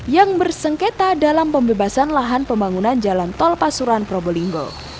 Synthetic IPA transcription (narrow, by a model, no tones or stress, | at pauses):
jaŋbərsəŋket̪adalampəmbebasanlaɦanpəmbaŋunand͡ʒalant̪ɔlpasuɾanpɾobɔliŋɡɔ̰